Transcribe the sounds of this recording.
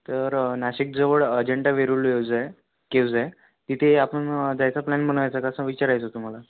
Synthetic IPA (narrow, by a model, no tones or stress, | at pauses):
t̪əɾnaɕik̚d͡zəʋəɭəd͡ʑeɳʈaʋeɾulʋewd͡zaj | kewd͡zaj | t̪it̪ʰeapəɳd̪jajt͡saplanm̤ʱəɽ̃ajt͡sakəsə̃ʋit͡ɕaɾajt͡sət̪um̤ala